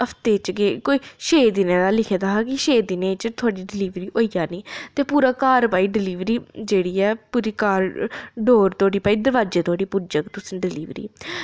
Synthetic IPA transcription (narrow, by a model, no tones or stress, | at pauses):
əpʰt̪eːt͡ʃɡeːkoːiːʃeːd̪ɪnẽːd̪aːlɪkʰed̪aːɦaːkɪʃeːd̪ɪnẽːt͡ʃt̪ʰʊaːɽiːɖɪliːʋɾiːʔoːijaːniːt̪eːpuːɾaːkaːɾpaːiːɖɪliːʋɾiːd͡ʒeːɽiːɛːpuːɾiːkaːɾɖoːɾt̪oaːɽiːpaːiːd̪əɾʋaːd͡ʒeːt̪ʰoaːɽiːpʊɾd͡ʒəkt̪ʊsɪ̃ɖɪlḭːʋɾḭː